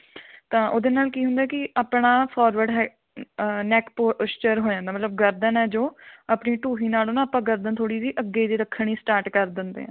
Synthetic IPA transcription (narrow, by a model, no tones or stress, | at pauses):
t̪ãːʔoːd̪eːnaːlkiːɦʊnd̪aɛːkɪʔaːpɳaːpʰɔːɾʋəɖɦɛ | nɛːkpoːst͡ʃəɾɦoːd͡ʒãːnd̪aːmət̪ləb̚ɡəɾd̪ənɛːd͡ʒoːaːpɳiːʈuːɦiːnaːloːnãːəpãːɡəɾd̪ənt̪ʰoːɽiːdiːʔəɡeid̪eːɾəkʰːəɳ̃iːsʈaːɾʈkəɾd̪ɪnd̪ḛːɦɛ̰̃ː